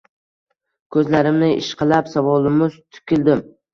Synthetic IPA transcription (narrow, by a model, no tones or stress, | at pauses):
kʰɵzlaɾɪmnɪʔɪ̰ʃqʰɨlˠapsavɒlˠɪmʊzt̪ʰʊ̥kʲʰɪld̪ɪm